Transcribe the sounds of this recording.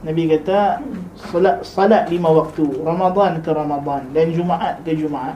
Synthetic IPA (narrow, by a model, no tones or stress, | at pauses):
nabikat̪a | slasɑlaʔlimawak̚t̪urɑmad̪ˤɑnkəɾɑmad̪ˤɑndand͡ʒumaʔaʔkəd͡ʒumaʕaʔ